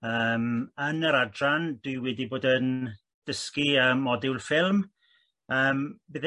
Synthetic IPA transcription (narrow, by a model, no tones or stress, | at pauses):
əːmənəɾadrand̥wɪwɛdiboːdən | d̥əskiəːmːɔdɛwlˠfɪlˠm | əːmbɪð